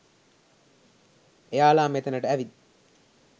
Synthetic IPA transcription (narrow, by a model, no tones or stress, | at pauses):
ejaːlaːmet̪ənəʈəæʋid̪